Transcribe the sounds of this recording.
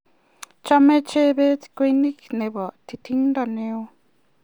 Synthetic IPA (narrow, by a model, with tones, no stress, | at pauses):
t͡ʃa˦˧mẽ˦t͡ʃe˦βe˦t͡skʷi˧˦nĩ˦knẽ˨βa˨t̪ʰi˧t̪ʰi˦ŋ˦d̪a˧nẽ˧o˧